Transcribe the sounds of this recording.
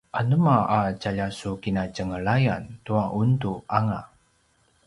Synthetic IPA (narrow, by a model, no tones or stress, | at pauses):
ʔanəmaat͡ʃaʎasukinat͡ʃəŋəɭajantuaʔuntuʔaŋa